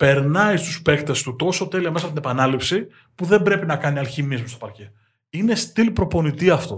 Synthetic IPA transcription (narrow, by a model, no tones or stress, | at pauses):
pe̞ɾnɐist̪uspe̞kt̪e̞st̪ut̪o̞so̞t̪e̞liɐmesɐpot̪inepɐnɐlipsi | puðe̞mbɾe̞pinɐkɐniɐlçimizmusto̞̥pɐɾce | ine̞st̪ilpɾo̞po̞nit̪iɐft̪o̞̰